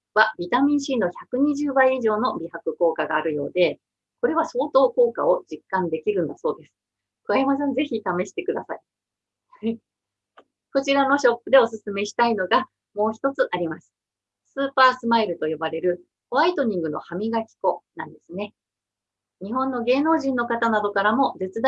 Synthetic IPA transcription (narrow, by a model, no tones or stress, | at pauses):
βabʲit̪amʲĩɰ̃ɕino̞çakɯ̟ɲ̟iʑɨːbaiːʑo̞ːno̞bʲihakɯ̟ko̞ːkaɡa̰ːɾɯ̟jo̞ːd̪e̞ | ko̞ɾe̞β̞aso̞ːt̪o̞ːko̞ːka̰o̞d͡ʑikːãnd̪e̞kʲiɾɯ̟̃nd̪aso̞ːd̪e̞sɨ̥ | kɯ̟βaimasẽnd͡ze̞çit̪ame̞ɕi̥t̪e̞kɯ̟d̪asai | hai | ko̞t͡ɕiɾano̞ɕo̞pːɯ̟d̪e̞o̞sɨsɨme̞ɕi̥t̪aino̞ɡa | mo̞ːçi̥t̪o̞t͡sɨʔaɾʲimasɨ̥ | sɨːpaːsɨmaiɾɯ̟t̪o̞jo̞baɾe̞ɾɯ̟ | oait̪o̞ɲ̟ĩŋɡɯ̟no̞̰hamʲiɡakʲi̥ko̞nãnd̪e̞sɨne̞ | ɲ̟iɦõ̞nːo̞ɡe̞ːno̞ːʑĩnːo̞kat̪anad̪o̞kaɾamo̞d͡ze̞t͡sɨd̪a